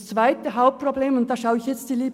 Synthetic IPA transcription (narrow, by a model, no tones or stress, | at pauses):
st͡sv̥aɪtəɦaʊp̚probleːmʊnt̚d̥aːʃaʊɪçjɛt͡std̥iːliːb